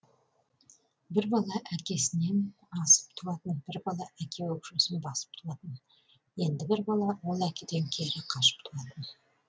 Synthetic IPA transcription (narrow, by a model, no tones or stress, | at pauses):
bɪɾbɑlˠɑʔækʲe̞sɪne̞n | ɑsə̥p̚t̪ʰulˠɑt̪ənbɪɾbɑlˠɑʔækʲʰe̞wɵkʃesɪnbɑsə̥p̚t̪ʰulˠɑt̪ən | je̞nd̪ɪbɪɾbɑlˠɑwo̞lˠækʲe̞d̪e̞ŋkʲʰe̞ɾɪqʰɑʃə̥p̚t̪ʰulˠɑt̪ən